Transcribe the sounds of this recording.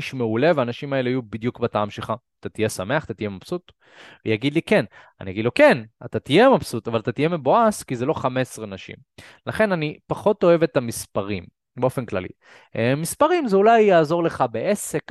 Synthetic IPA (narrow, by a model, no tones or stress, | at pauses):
iʃmeule̞veaːnaʃimae̞leajubid̪jukbataamʃelχaːt̪at̪ijesame̞aχat̪at̪ijemapsut̪ | vejaɡid̪like̞n | a̰nija̰ɡid̪lo̞ke̞nat̪at̪ije̞mapsut̪avalat̪at̪ije̞meboaskizelo̞χame̞sʁenaʃḭm | laχe̞nanipaχo̞to̞e̞vet̪amispaʁim | beo̞fe̞nkla̰lḭ | mispaʁimzeulajːaːzo̞ʁle̞χabeʔe̞se̞k